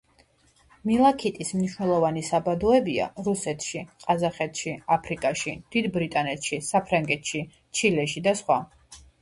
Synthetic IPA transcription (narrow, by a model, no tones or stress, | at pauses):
milˠakʰit̪ʼismniʃwnɛlˠɔvanisabad̪ɔɛbia̰ɾusɛt̪ʰʃiqʼazaχɛt̪ʰʃiapʰɾikʼaʃid̪̥id̪bɾit̪ʼanɛt̪ʃisapʰɾaŋɡɛt̪ʰʃi | t͡ʃʰilɛʃid̪asχwa